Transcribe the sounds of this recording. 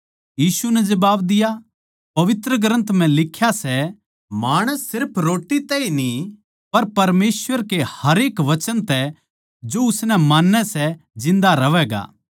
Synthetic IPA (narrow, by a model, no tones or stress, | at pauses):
jiːsunɛd͡ʒɐbaːbd̪ɪja | pɐʋɪt̪ɾəɡɾə̃nt̪m̤ɛ̃lɪkʰːjasɛ | maːɽ̃əsːɪɾpʰɾoːʈːit̪ɛinĩ | pɐɾpɐɾmeːsʋəɾkehɐɾeːkʋɐt͡ʃənt̪ɛ | d͡ʒoʊsnɛmaːnːɛsɛd͡ʒɪ̃nd̪aɾɐʋɛːɡa̰ː